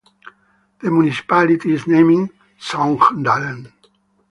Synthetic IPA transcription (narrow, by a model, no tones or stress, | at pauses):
ð̥əmjunisi̥palit̪iːznẽmĩŋ | sɔ̃ŋknd̪alə̃n